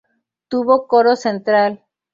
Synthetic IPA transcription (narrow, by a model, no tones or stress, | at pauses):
t̪uβokoɾosent̪ɾal